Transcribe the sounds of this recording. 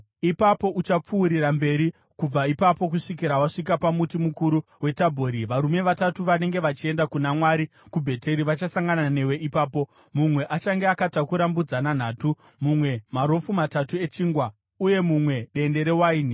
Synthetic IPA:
ipapo̞ʔut͡ʃap͡fuːɾirambe̞ɾi | kub͡vaipapo̞k̬uʂik̬iɾawaʂik̬apamutimukuɾu | we̞tabʱoɾiʋaɾume̞ʋatatuʋane̞ŋɡe̞ʋat͡ʃie̞ndakunamwaɾi | kubʱe̞te̞ɾiʋat͡ʃasaŋɡanane̞we̞ʔipaːpo̞ | mumwe̞ʔat͡ʃaŋɡeakatakuɾambud͡zanan̤aːtu | mumwe̞maɾo̞fumatatue̞t͡ʃiːŋɡwa | uje̞mumwe̞ɗe̞nde̞ɾe̞waiːni

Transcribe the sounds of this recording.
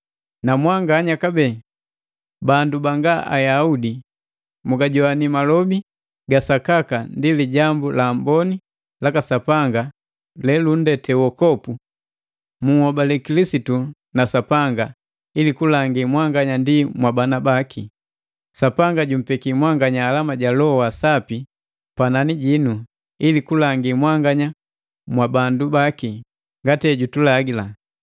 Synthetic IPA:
namwaŋɡaɲakabɛ | bandubaŋɡaʔa̰jaudi | muɡaɟɔanimalɔbi | ɡasakakandiliɟambulambɔni | lakasapaŋɡa | lɛlun̩dɛtɛwɔkɔpu | muhɔbalɛkilisitu | nasapaŋɡa | ilikulaŋɡimwaŋɡaɲandimwabanabakʰi | sapaŋɡaɟum̩pɛkimwaŋɡaɲaːlamaɟalɔwasapi | pananiɟinu | ilikulaŋɡimwaŋɡaɲa | mwabandubaki | ŋɡatɛɟutulaɡila

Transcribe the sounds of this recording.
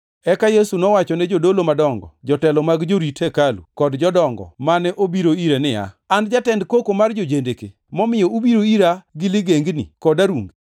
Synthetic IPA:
ɛkajesunɔwat͡ʃɔnɛd͡ʒodolomadɔŋɡɔ̰d͡ʒɔtɛlɔmaɡd͡ʒoɾitɛkalṵkɔdd͡ʒɔdɔŋɡɔ̰manɛʔobiɾoiɾenɪa̰ | and͡ʒatɛndkokomard͡ʒod͡ʒendeke | mɔmɪjɔubiɾoiɾaɡɪlɪɡeŋɡnḭkɔdaɾuŋɡ

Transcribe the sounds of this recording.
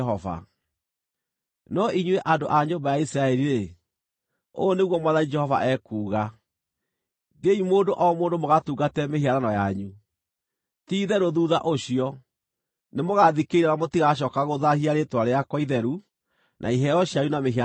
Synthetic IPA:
ɔva̰ | nɔʔiɲweʔandoʔaɲombajaisɾaɛɾiɾe | o̰neɣwɔmwaðaid͡ʒɛhɔva̰ʔɛkuːɣa | deimoːndoʔɔɔmoːndomoɣatuːɡatɛmehiaɾanɔjaɲu | tiːðɛɾoðuːða̰ʔoɕiɔ | nemoɣaðikeiɾɛnamotiɣaɕ̬ɔːkaɣoðahiaɾetwaɾeakwɔiðɛɾu | nʔa̰iɦɛɔɕiajunameɦa

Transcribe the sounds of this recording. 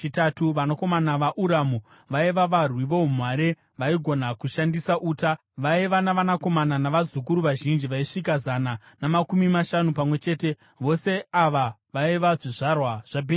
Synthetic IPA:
t͡ʃitatuʋanako̞manaʋaʔuɾamu | ʋaiʋaʋarwiʋo̞umwaːɾe | ʋaiɡʱo̞nakuʃandisaʔuːta | ʋaiʋanaʋanako̞mananaʋazukuɾuʋaʒind͡ʒiʋaiʂikazana | namakumimaʃanupamwe̞t͡ʃe̞ːte̞ | ʋo̞se̞aʋaʋaiʋaʐiʐarwaʐ̥abʱe

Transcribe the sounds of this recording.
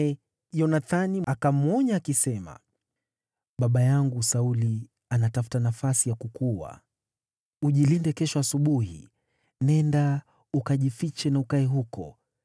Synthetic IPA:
ɛ | jɔnaθaniakam̩ɔɲaːkisɛma̰ | ɓaɓajaŋɡusauli | anatafu̥tanafasijakukuwa̰ | uʄilindɛkɛʃɔasuɓuhḭ | nɛnda | ukaʄifit͡ʃɛnaukaɛɦukɔ̰

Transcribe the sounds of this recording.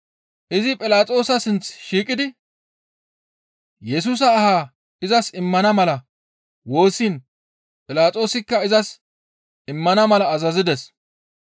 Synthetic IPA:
ʔɪzɪpʼɪlaːt͡sʼo̞ːsɐsɪnt͡sʃiːkʼɪd̪ɪ | jɛs̬uːs̬ɐːhaː | ɪzɐsɪmːɐnɐmɐlɐ | wo̞ːsiːn | pʼɪlaːt͡sʼo̞ːsɪkːɐɪzɐs | ɪmːɐnɐmɐlɐːzɐzɪd̪ɛs

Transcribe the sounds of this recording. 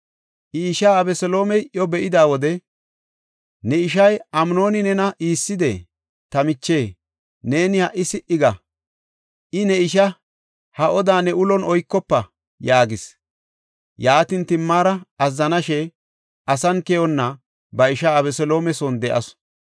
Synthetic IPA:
ʔɪːʃaːɐbɛsɔlo̞ːmɛjʔjɔbɛʔɪd̪aːwɔd̪ɛ | nɛɪʃɐjɐmno̞ːnɪnɛnɐʔiːsːɪd̪ḛ | t̪ɐmɪt͡ʃːe̞ː | ne̞ːnɪhɐʔːɪsɪʔɪɡɐ | ʔɪnɛɪʃɐ | hɐʔɔd̪aːnɛʊlɔnɔjkːɔpːɐ | jaːɡɪs | jaːt̪ɪnt̪ɪmːaːɾɐɐzːɐnɐʃɛ | ɐsɐnkɛjɔnːɐ | bɐɪʃaːbɛsɔlo̞ːmɛsɔnd̪ɛʔɐs

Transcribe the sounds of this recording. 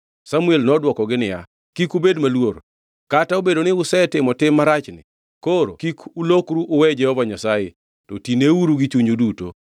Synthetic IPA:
samuelnɔdwɔkɔɡɪnɪja̰ | kikubedmalwor | kataobedonɪʊsɛtɪmɔtɪmːaɾat͡ʃnɪ̰ | koɾo̰kikulokɾuʔʊwɛd͡ʒɛhɔvaɲasajḛ | to̰tineuɾuɡit͡ʃuɲoduto̰

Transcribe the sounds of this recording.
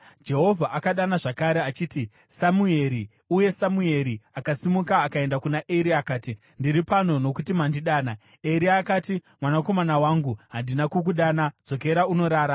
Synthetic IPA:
d͡ʒe̞ɦo̞vʱaʔakaɗanaʐakaɾeat͡ʃiːti | samue̞ɾi | uje̞samue̞ɾiakasimukaːkae̞ndakunaʔeɾiakaːti | ndiɾipano̞no̞kutimandiɗaːna | e̞ɾiaːkatimwanako̞manawaŋɡuɦandinakuk̬uɗanad͡zo̞ke̞ɾauno̞ɾaːɾa

